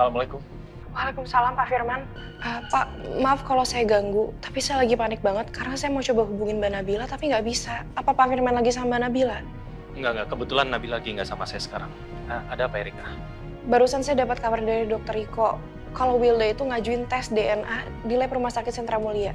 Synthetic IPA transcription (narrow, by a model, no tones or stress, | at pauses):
salamalakʊm | walekumsalampaʔfirman | ʔapaʔmaafkalowsajaɡaŋɡut̪ḁpisajalaɡipanɪk̚baŋət̪̚kaɾənasajamaut͡ʃobaɦubuŋɪnbanabilat̪apiŋɡaʔbisaːpapafirmanlaɡis̬ambanabila | ŋɡaʔŋɡakəbət̪ulanːabilaɡiŋɡaʔsamasajasə̥ka̰ɾa̰ŋ | əadaːpaiɾika | baɾusansajadapat̪̚kamardaɾidɔk̚t̪əɾikɔ | kalowwildait̪uŋad͡ʒuɪnt̪ɛsdeɛnʔa | dilajpɾumahsakɪt̪sənt̪ɾamulia